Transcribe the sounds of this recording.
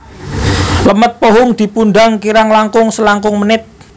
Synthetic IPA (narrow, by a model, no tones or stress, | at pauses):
ləmət̪̚poɦʊŋd̪̥i̤punɖaŋkiɾaŋlaŋkʊŋsəlaŋkʊŋmənɪt̪̚